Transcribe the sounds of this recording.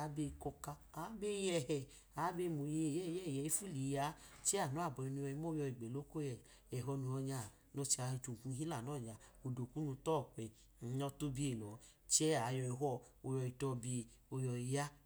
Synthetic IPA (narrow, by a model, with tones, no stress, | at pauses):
a˨˦be˧kɔ˧ka˧a˨˦be˦jɛ˧˨hɛ˨ | a˨˦be˧mo˨je˨jɛ˦˨jɛ˦˨jɛ˨i˦fu˦li˨˦ja˨˦t͡ʃɛ˦a˦˨nu˨˦a˦˨bɔ˨i˧nu˧ɔ˧i˧˦mo˦jɔ˧i˨ɡ͡be˨lo˦ko˦jɛ˨ | ɛ˨ɦɔ˧nu˧ɔ˧ɲa˧˨ | no˧˦t͡ʃi˧a˨˧˨tu˨ku˧˦i˦la˦˨nɔ˦˨ɲa˨o˧˨do˨ku˦nu˧tɔ˦˨k͡pɛ˨˦ | ɔ˧to˦bi˦e˨lɔ˨ | t͡ʃɛ˦a˨jɔ˧ɛ˧ɦɔ˦˧ | o˧jɔ˧i˧tɔ˧bi˧ | o˧jɔ˧i˧ja˦